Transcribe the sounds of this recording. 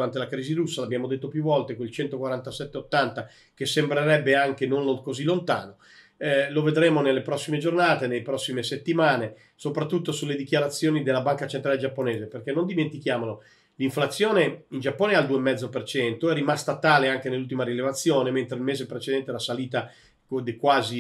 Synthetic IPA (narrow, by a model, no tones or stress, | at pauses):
ɾant̪elakɾiːziɾusːalabːjaːmod̪et̪ːopjuvːɔlt̪ekoilt͡ʃɛnt̪okwaɾant̪asɛt̪ːeot̪ːant̪a | k̟esːembɾeɾɛbːeaŋkenonlokozilːont̪a̰ːno | loved̪ɾeːmonelːepɾɔsːimed͡ʒornaːt̪enelepɾɔsːimeset̪ːimaːne | sopɾat̪ːut̪ːosulːed̪ik̟jaɾat̪sːjoːnid̪elːabaŋkat͡ʃent̪ɾaled͡ʒapːoneːzeperk̟enːond̪iment̪ikjaːmono | liɱflat̪sːjoːneind͡ʒapːoːneald̪uːemːɛd̪zːopert͡ʃɛnt̪oɛrːimast̪at̪aːleaŋk̟enelːult̪̬imaɾilevat̪sːjoːnement̪ɾeilmeːzepɾet͡ʃed̪ɛnt̪elasaliːt̪a | kod̪kwaːzi